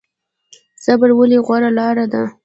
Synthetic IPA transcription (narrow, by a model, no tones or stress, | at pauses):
z̥abaɽwəleɣwaɾalɑɾad̪a